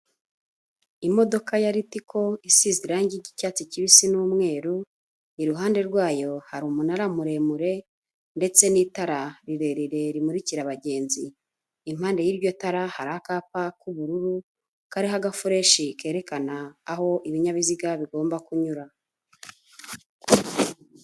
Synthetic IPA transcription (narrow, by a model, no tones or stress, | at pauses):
imo̞do̞kajaɾitikʰo̞isiziɾaːɲɟiɾɟicaːt͡siciβisinuːmŋe̞ːɾu | iɾuɦaːnde̞ɾɡwaːjo̞haɾuːmunaɾamuɾe̞muɾe̞ | nde̞t͡se̞niːtaɾaɾiɾeɾiɾe̞ɾimuɾiciɾaβaɟe̞ːnziː | m̥haːnde̞jiːɾjo̞taɾahaɾahakaːpakuβuɾuɾu | kaɾiɦaɡafuɾe̞ʃike̞ːɾe̞kanaːho̞ʔiβiɲaβiziɡaβiɡo̞ːmbakuɲuɾa